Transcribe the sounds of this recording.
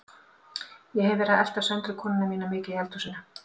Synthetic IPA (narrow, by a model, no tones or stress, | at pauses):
jɛhɛvvɛːɾɪðɛl̥t̪av̥sɛnt̪ɾʏkʰɔːnɪnamiːnamɪːcɪjɛlt̪usɪnːa